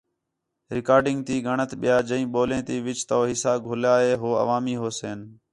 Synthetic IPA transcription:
ɾɪkaːɾɖɪŋɡ̚t̪iːɡʱəɳət̪ɓɪjaːd͡ʒəĩːɓoːlẽːt̪iːʋɪt͡ʃt̪oːɦɪsaːɡʱʊlaːɦeːɦoːə̰ʋaːmiːɦoːseːn

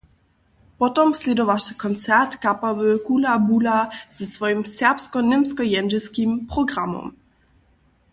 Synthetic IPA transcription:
pɔtɔmslʲɛd̪ɔvaʂɘ̥kɔnt̪sɛrt̪kapavɛkulabulaz̥ɛsfɔjimsʲɛrpskɔnɘmskɔjɛnʒɛskʲimpɾɔɡɾamɔ̰m

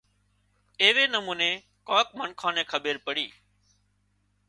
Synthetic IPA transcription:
eːʋeːnəmuːneː | kaːk̚mənkʰãːnẽːkʰəɓeːɾpəɽiː

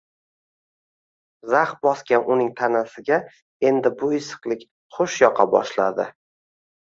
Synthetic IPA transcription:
zaχ̚bɒskʲanʊnɪŋt̪ʰanasɪɡʲa | e̞nd̪ɪbʊɪsɨ̥qlˠɪkʲ | χoʃjɒqʰɑbɒ̰ʃlad̪ɪ

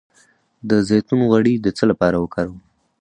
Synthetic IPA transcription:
d̪əzejt̪unoɣaɽid̪ət͡səlapɑɾawəkɑɾaw

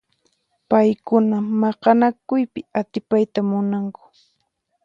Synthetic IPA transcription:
pajkʊnamɑqɑnakʊjpɪat̪ɪpajt̪amʊnaŋkʊ̥

